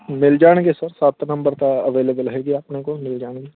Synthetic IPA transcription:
mɪld͡ʒaːɳɡeːsəɾsaːt̪nə̃mbəɾt̪aəʋeːleːbəlɦeːɡiaːpnekomɪld͡ʒaːɳɡeː

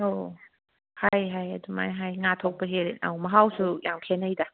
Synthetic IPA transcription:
o | hajɦajɐ̰duma̰jɦajŋatʰok̚pɐɦeɾna̰wmɐɦawsujaŋpʰenɐjda

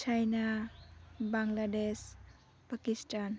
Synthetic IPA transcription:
t͡ʃajna | baŋlades | pakistan

